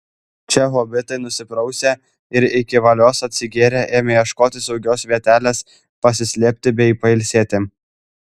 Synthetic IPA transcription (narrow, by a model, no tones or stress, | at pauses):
t͡ʃʲɛɦoːbʲɪt̪ɐɪnʊsʲɪpɾɒʊsʲeː | ɪɾɪkʲɪʋɐlʲoːsɐt̪ʲsʲɪɡʲeːɾʲeːʔeːmʲeːjɛʃkoːt̪ʲɪsɒʊɡʲoːsʋʲiɛt̪ʲæːlʲeːs | pɐsʲɪsʲlʲiːpʲt̪ʲɪbʲɛɪiːpɐɪlʲsʲeːt̪ʲɪ